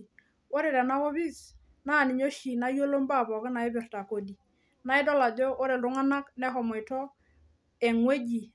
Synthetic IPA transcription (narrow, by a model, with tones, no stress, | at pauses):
o˦ɾɪ˨ɾɛ˨na˦ɣo˦βi˦s | na˦˨nɪ˨ɲo˦ʃi˨na˦jo˦lo˦mba˦˨bɔ˨kɪ˦na˨ɪ˦bɪ˨rta˨ko˨di˨ | na˦ɪ˦dɔ˦la˨d͡ʒo˦ʔo˦ɾe˨ldʊ˦ŋa˦na˦knɛ˦ɦɔ˨mɔ˨jtɔ˦ | ɛ˨ŋwe˦d͡ʒi˨